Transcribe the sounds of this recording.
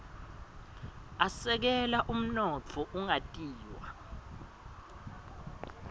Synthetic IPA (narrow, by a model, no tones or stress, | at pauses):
asɛk̬ɛlaʔum̩nɔt͡fʰɔʔuŋatʼiːwa̰